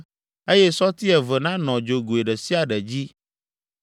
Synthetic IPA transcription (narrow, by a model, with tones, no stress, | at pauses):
e˦jɛ˦sɔ˦t̪i˦ɛ˨və˨nã˦nɔ̃˨d͡ʒo˨ɡo˨e˨ɖɛ˨si˦a˨ɖɛ˨d͡ʑi˦